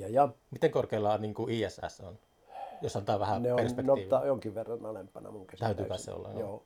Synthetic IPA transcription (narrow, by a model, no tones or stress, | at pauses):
ɑjɑmit̪eŋkorkeilːɑniːŋkuʔiːæsæ̰son | josːɑnt̪ɑːʋæhæneoperspenkot̪iːʋit̪ːɑjoŋkiʋʋerːɑnolempːɑnɑ̰muŋkæst̪æˑyt̪yːkæsssḛo̰lːḛŋkjoɑː